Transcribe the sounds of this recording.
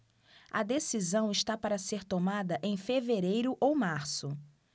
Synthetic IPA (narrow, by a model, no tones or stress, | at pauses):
ɐd̪esizɐ̃w̃ɪʃt̪apaɾɐseɾt̪omad̪ɐʔẽj̃feveɾejɾʊʔowmaɾsʊ